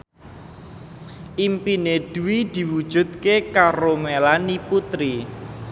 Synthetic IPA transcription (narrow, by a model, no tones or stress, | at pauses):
ʔimpined̪̥uwid̪̥i̤wud̥ʒ̥ṳd̪̥̚kekaɾomelaniput̪ɾi